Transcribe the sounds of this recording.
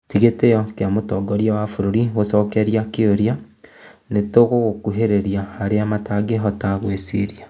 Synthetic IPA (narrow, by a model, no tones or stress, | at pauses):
tiɣetejɔkeamotɔɡɔɾjawafoɾoɾiɣosɔːkɛɾjakeoɾia | netoɣoɣokuɦeɾeɾjaːɾeamataɡeɦɔtaɣwesiɾia